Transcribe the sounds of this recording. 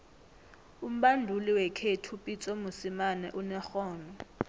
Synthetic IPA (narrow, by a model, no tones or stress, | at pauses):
um̩ɓandʱuliwɛkʰetʰupʼit͡sʼomusimanɛ̰ʔunɛxɔːnɔ